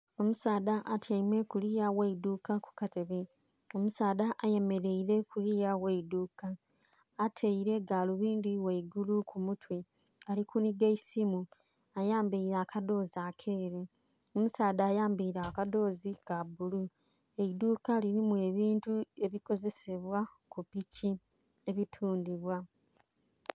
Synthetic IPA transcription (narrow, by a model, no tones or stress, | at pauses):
o̞musaːdaʔatʰeimwe̞kulijaweiduːkaku̥kate̞βe | o̞musaːdaʔaje̞me̞ɾe̞iɾe̞kulijaweiduːkaː | tʰeiɾe̞ɡaːluβiːndiweiɡulukʰumutwe | alikuniɡeisimu | ajaːmbiiɾaːkado̞ːzakʰeːɾe | omusaːdaːjaːmbiiɾakado̞ːzikabulu | e̞idukaliɾimue̞ːβiːntue̞βiko̞ze̞se̞βwa | kupici | e̞βitʰuːndiβwa